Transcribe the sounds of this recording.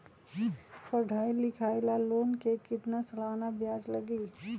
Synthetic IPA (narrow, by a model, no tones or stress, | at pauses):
pəɖʱaːilɪkʰaːlaloːnkekɪt̪nasɐlaːnabjaːd͡ʒləɡi